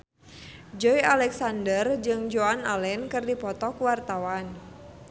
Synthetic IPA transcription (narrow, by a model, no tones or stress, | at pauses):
d͡ʒɔialɛksandərd͡ʒɨŋd͡ʒoanalɛnkɨrdipɔt̪ɔkuwart̪awan